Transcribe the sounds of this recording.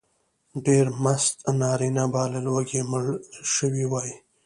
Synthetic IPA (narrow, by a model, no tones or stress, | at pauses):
ɖeɾmast̪nɑːɾinabɑːlalwaɡeməɽʃəwiwɑːji